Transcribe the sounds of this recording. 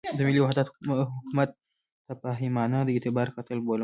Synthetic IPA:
d̪əmiliwaɦd̪at̪ɦukumat̪̚ː | ɐpaɦimanad̪əit̪ibaɾkat̪əlbol

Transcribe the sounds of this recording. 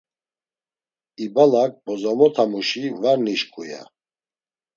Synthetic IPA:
ibalak̚bɔzamɔt̪ʰamuʃivaɾniʃkʼuja̰

